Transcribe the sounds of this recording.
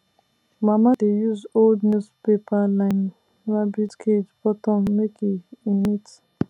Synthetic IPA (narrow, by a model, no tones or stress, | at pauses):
mamadejuzoldnuspepalãn | ɹabidkʰed͡ʒbɔtɔ̃mːekʰiĩnit